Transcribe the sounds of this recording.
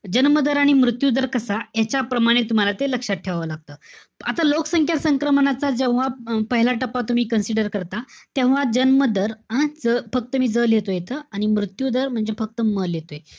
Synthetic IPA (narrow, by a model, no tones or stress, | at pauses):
d͡ʑənməd̪əɾaɽ̃imɾut̪jud̪əɾkəsajat͡ɕapɾəmaɽ̃et̪um̤alat̪eləkʂat̪̚ʈʰeʋʋəlaɡ̚t̪əː | at̪alokəsəŋkʰjasəŋkɾəmɳat͡sad͡ʑẽʋʋapəɦilaʈəpat̪um̤iːkənsiɖəɾkəɾt̪at̪ẽʋʋad͡ʑənməd̪əɾad͡zəfək̚t̪əmiːd͡zəljet̪ojet̪əːaɽ̃imɾut̪jud̪əɾm̤əɳd͡zefək̚t̪əməljet̪oe